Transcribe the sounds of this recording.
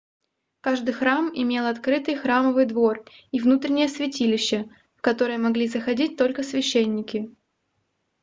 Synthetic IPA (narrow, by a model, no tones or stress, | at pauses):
kaʐd̪ɨjxɾamɪmʲe̞lˠɐt̪kɾɨt̪ɨjxɾaməvɨjd̪vo̞rivnut̪ɾʲɪnʲɪjəsvʲɪtʲilʲɪɕːə | kɐt̪o̞ɾɨjəmɐɡlʲizəxɐdʲit̚ʲt̪o̞lʲkəsvʲɪɕːenʲːɪkʲɪ